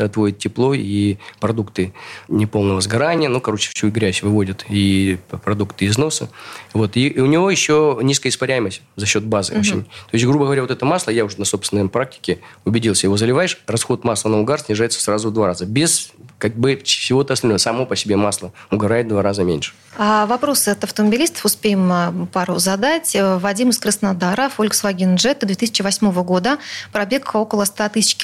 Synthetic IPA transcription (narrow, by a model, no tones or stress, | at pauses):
ɐt̪vo̞ɪt̪̚tʲːɪplˠo̞ipɾɐd̪ukt̪ɨnʲɪpo̞lˠnəvəzɡɐɾanʲɪjənukɐɾo̞t͡ɕɪ̥sʲuɡɾʲæsʲvɨvo̞dʲət̪ipɾɐd̪ukt̪ɨɪzno̞səvo̞t̪iʊnʲɪvo̞jɪɕːo̞nʲiskəjəɪspɐɾʲæjɪməsʲtʲzɐɕːo̞t̪̚bazɨ̰ot͡ɕɪnʲt̪o̞ɪsʲtʲɡɾubəɡəvɐɾʲavot̪ɛt̪əmaslˠəjaʊʐnɐso̞psvʲɪnːəjpɾak̚tʲɪ̥kʲɪʊbʲɪdʲilˠsʲəjɪvo̞zəlʲɪvajɪʂrɐsxo̞t̪maslˠənəʊɡarsʲnʲɪʐajɪt̪sə̥srazʊd̪vaɾazəbʲɪskaɡ̚bɨfsʲɪvo̞t̪ɨɐsɐlʲnoəsɐmo̞pəsʲɪbʲemaslˠəʊɡɐɾajɪt̪̚d̪vaɾazəmʲḛnʲʂɨ̥ | avɐpɾo̞sɨɐt̪ɐft̪əməbʲɪlʲist̪ə̥fʊspʲejɪmpaɾʊzɐd̪atʲvɐdʲimɨskɾəsnad̪aɾəfolʲksvɐɡʲɪnʐɛt̪d̪vʲet̪ɨisʲɪ̥t͡ɕɪvɐsʲmo̞vəɡo̞d̪əpɾɐbʲe̞ko̞kəlˠəst̪at̪ɨsʲɪt͡ɕkʲ